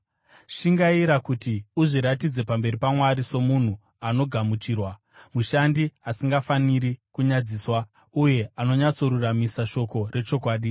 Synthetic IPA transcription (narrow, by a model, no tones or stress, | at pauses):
ʃiŋɡaiɾakutiuʐiɾatid͡ze̞pambe̞ɾipamwaɾiso̞mun̤u | ano̞ɡʱamut͡ʃiːrwa | muʃandiasiŋɡafaniɾikuɲad͡ziːswa | uje̞ano̞ɲat͡so̞ɾuramisaʃo̞ko̞re̞t͡ʃo̞kwaːɗi